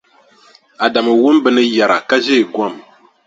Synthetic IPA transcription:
a˨da˨mɨ˨wu˦m˦bɨ˦nɨ˦ja˨ɾa˨ka˦ze˦˨ɡwɔ˦˨m

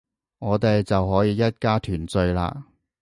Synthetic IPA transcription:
ŋɔː˨˧t̪e˨jt͡sɐ˨wɦɔː˨˥jiː˨˧jɐ˥t̚kaː˥t̪ʰyː˨˩nt͡sɵ˧ɥla̰ː˧

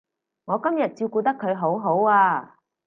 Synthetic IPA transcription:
ŋɔː˨˧kɐ˥mjɐ˨t̚t͡siː˧wkuː˧t̪̬ɐ˥kʰːɵ˨˧ɥɦo˨˥wɦo˨˥waː˧

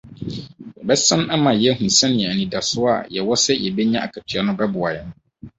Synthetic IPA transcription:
jɛ˨bɛ˦sã˦na˦mã˨jɛ˦hũ˨sɛ̃˦njɛ˨æ˨nĩ˨da˨sʊ˦a˦˨jɛ˨wɔ˦sɛ˦jɛ˨bɛ˦ɲã˦a̰˨kʰa˨tʰɪ˨a˦nʊ̃˦bɛ˦bʊ˨a˨jɛ˨n

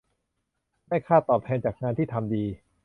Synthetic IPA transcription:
ma˥˩jkʰaː˥˩t̪ɔː˨˩p̚t̪ʰɛː˧nt͡ɕaː˨˩k̚ŋaː˧nt̪ʰiː˥˩t̪ʰa˧mdiː˧

